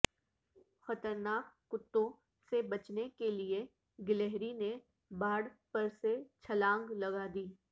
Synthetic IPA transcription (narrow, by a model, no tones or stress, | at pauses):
xɐt̪əɾnaːkːʊt̪ːõ | sebɐt͡ʃnekelie | ɡɪleɦɾine | baːɽpɐɾset͡ʃʰɐlãːŋɡlɐɡad̪iː